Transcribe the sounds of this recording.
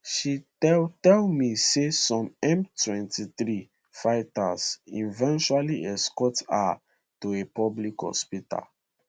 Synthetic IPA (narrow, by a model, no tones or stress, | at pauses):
ʃi | ɛtɛlmisesɔ̃mɛ̃mtwɛ̃ntʰiθɾi | faɪtasḭ̃nvɛ̃nʃualiʔɛskɔta̰ | tuepɔblikhɔ̰spita̰l